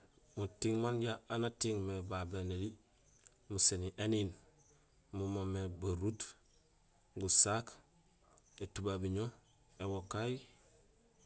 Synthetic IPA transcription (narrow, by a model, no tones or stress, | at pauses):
mutiŋmanɟaanatiŋmebabeneli | museniʔenin | mumomebaɾut | ɡusak | etubabiɲo | ewokaji